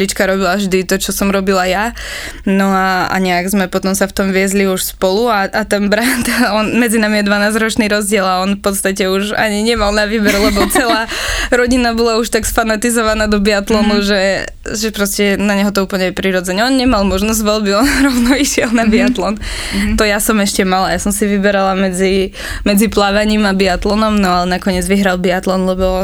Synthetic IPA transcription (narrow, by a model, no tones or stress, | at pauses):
lit͡ʃkaɾɔbilaʒd̪it̪ɔt͡ʃɔsɔmɾɔbilaja | nɔaa̰ɲɛaɡzmɛpɔt̪ɔmsaft̪ɔmʋɪɛzliuʃspɔluaʔat̪ɛnbɾant̪ɔnmɛd͡zinamijɛd̪ʋanaːzɾɔt͡ʃniːɾɔzɟɪɛlaɔnfpɔt̪st̪acɛuʒa̰ɲiɲɛmalˠnaʋiːbɛɾlɛbɔt͡sɛlaːɾɔɟinabɔlauʃt̪aksfanat̪izɔʋanaːd̪ɔbiat̪lɔnuʒɛ | ʒɛpɾɔscɛnaɲɛɦɔt̪ɔuːpl̩ɲɛɛpɾiɾɔd͡zɛɲɛɔnɲɛmalˠmɔʒnɔzɟʋɔlbiɔnɾɔʊnɔiʃɪɛlˠnabiat̪lɔnt̪ɔjasɔmɛʃcɛmalajasɔmsiʋibɛɾalamɛd͡zi | mɛd͡ziplaʋaɲiːmabiat̪lɔnɔmnɔalɛnakɔɲɪɛd͡zʋiɦɾalbiat̪lɔnlɛbɔ